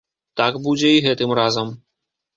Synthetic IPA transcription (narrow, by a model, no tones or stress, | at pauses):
t̪aɡbud͡zʲɛiɣɛt̪ɨmrazɐm